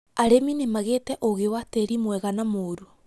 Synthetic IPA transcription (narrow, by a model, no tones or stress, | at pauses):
aɾeminemaɣetɛʔoɣewateɾimwɛɣanamoːɾu